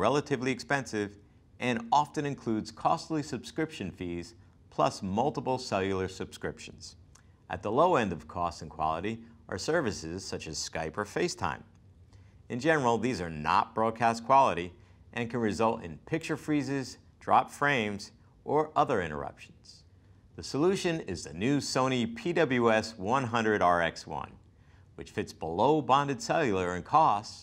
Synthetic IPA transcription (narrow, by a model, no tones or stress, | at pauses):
ɹɛlˠəɾɨvliɨkspɛ̃nsɪv | ʔɨ̃nɑftɨ̃nɨ̃nkʰl̥ʉdz̥kʰɔstˡlisɨb̥skɹɪpʃɨ̃nfiz̥ | pʰl̥ʌ̰smʌlˠtəpl̩ˠsɛlˠjl̩ˠə˞sɨb̥skɹɪpʃn̩z̥ | ʔɨ̰t̪̚ðəloʊɛ̃ndʌv̥kʰɔstsnkʰw̥ɑ̰lˠəɾi | ʔə̰˞sɜ˞vɨsɪz̥sʌt͡ʃɨz̥skaɪpə˞feɪstʰã̰ɪ̃m | ɨ̃nd͡ʒɛnə˞l̩ˠðizə˞nə̰t̚b̥ɹɔd̚kʰæskʰw̥ɑlˠəɾi | ʔɨ̃nkʰɨ̃nɹɨzʌlˠtɨ̰̃npʰɪk̚t͡ʃə˞fɹizɪz | dɹɑ̰pfɹẽɪ̃mz | ʔə˞ʔʌðə˞ɪ̰̃ɾ̃ə̰˞ʌ̰pʃn̩z̥ | ðɨsəlʉʃɨ̃nɪzðɨnʉsõʊ̃ñipʰidʌbl̩ˠjʉɛswʌ̃nɦʌ̃ndɹɨɾɑɹɛ̰kswʌ̰̃n | wɨt͡ʃfɪtsb̥əloʊbɑ̃ndɨd̥sɛlˠjl̩ˠə˞ɨ̃nkʰɔst